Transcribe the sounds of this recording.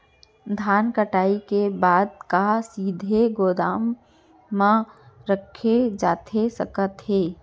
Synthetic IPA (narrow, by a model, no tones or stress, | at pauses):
d̪ʱaːnkəʈaːikebaːd̪kasiːd̪ʱeɡoːd̪aːmː | ãɾəkʰed͡ʒaːt̪ʰesə̰kət̪ɦeː